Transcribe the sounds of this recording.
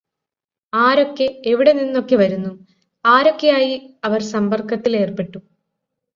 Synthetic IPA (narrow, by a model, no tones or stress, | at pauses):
aːɾo̞kːe̞eʋiɽe̞ninːo̞kːe̞ʋɐɾunːu | aːɾo̞kːe̞jaːjiɐʋɐrsɐmbɐrkːɐt̪ːile̞ːrpe̞ʈːu